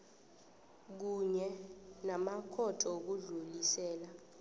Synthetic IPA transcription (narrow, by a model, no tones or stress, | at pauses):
k̬uɲɛnamakʰɔtʰʼɔok̬uɮulisɛːla